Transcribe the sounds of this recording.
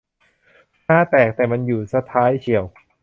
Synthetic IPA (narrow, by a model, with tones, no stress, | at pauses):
naː˥˩t̪ɛː˨˩k̚t̪ɛː˨˩ma˧njuː˨˩sa˧t̪ʰːaː˦˥jt͡ɕʰi˨˩əw